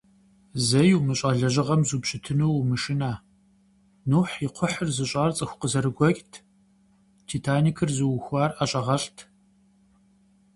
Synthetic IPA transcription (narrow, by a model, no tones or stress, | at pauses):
zɐjwmɨɕʼaːɮɐʑɪʁɐmzuːbɕʼɪtʰɨnuwwmɨʃɪnaː | nuːħjiqʷʰʊħərzɨɕʼaːrt͡sʼɨxʷqəzɐɾɨɡʷɔkʼtʰ | tʰiːtʰaːniːkʰɨrzɨwxʷɑːraɕʼɐʁɐɬtʰ